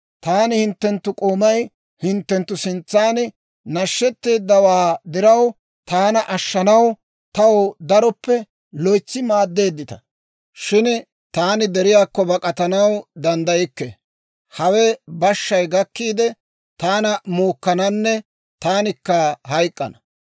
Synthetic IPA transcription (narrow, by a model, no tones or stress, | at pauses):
t̪aːnɪhɪnt̪ːɛnt̪ːʊkʼoːmɐj | hɪnt̪ːɛnt̪ːʊsɪnt͡sːaːnɪ | nɐʃːɛt̪ːe̞ːd̪ːɐwaːd̪ɪɾɐw | t̪aːnɐʔɐʃːɐnɐw | t̪ɐwod̪ɐɾɔpːɛ | lɔjt͡sːɪmaːd̪ːe̞ːd̪ːɪt̪ɐ̥ | ʃɪn | t̪aːnɪd̪ɛɾɪjaːkːɔbɐkʼɐt̪ɐnɐwd̪ɐnd̪ɐjɪkːɛ̰ | hɐwɛbɐʃːɐjɡɐkːiːd̪ɛ | t̪aːnɐmuːkːɐnɐnːɛ | t̪aːnɪkːɐhɐjkʼːɐ̰nɐ